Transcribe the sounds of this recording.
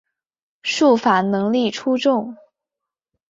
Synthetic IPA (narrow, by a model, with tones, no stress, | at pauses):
ʂu˥˩fa˨˩˦nɤ˧˥ŋli˥˩ʈ͡ʂʰu˥ʈ͡ʂʊ˥˩ŋ